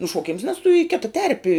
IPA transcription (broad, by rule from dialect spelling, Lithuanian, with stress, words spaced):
nʊʃuɔˈkʲɪms nʲɛs tʊ iː ˈkʲɪtɐ ˈtʲɛrʲpʲɪ